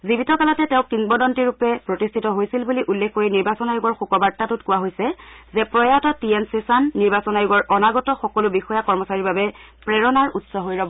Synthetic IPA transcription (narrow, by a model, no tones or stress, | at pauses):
zibitɔkalatɛtɛʊ̃kɹiŋbɔdɔntiɹupɛpɹɔtistʰitɔɦojsilbuliʔulːekʰkːoɹiniɹbasɔnajuɡɔɹxukɔbaɹtatutkʊwaɦojsɛzɛpɹɔjatɔtiɛnsesanːiɹbasɔnajʊɡɔɹʔɔnaɡɔtɔxɔkɔlʊbixɔjakɔɹmɔsaɹibabɛpɹɛɹɔnaɹutsɔɦojɹɔbɔ